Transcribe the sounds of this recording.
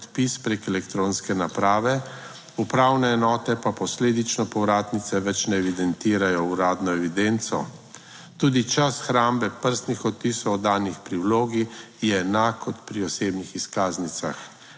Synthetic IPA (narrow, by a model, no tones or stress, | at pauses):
t̪pispɾekɛlɛkt̪ɾõːnskɛnapɾaːʋɛ | upɾaːwnɛːnɔːt̪ɛpapɔsleːd̪it͡ʃnɔpɔʋɾaːt̪nit̪sɛʋɛt͡ʃnɛːʋid̪ɛnt̪iːɾajɔuɾaːd̪nɔɛʋid̪ent̪sɔ̰ | t̪uːd̪it͡ʃasxɾaːmbɛpəɾst̪nixɔt̪̚pisɔwɔd̪aːnixpɾiwloːɡi | jɛːnaːkɔt̪pɾiɔseːbnixiskaːznit̪sa̰x